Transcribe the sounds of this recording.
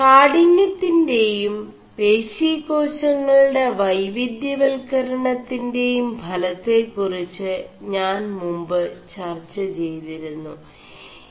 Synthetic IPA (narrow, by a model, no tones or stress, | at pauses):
kaːɽiɲːjɐt̪ːinde̞jum | pe̞ːɕiːko̞ːɕɐŋːɐɭɽe̞ʋɐjʋid̪jɐʋelkɐɾɐɳɐt̪ːinde̞jumbʱɐlɐt̪ːe̞kːurit͡ɕːɨɲaːnmumbɨt͡ɕɐrt͡ɕːɐt͡ɕejt̪iɾunːṵ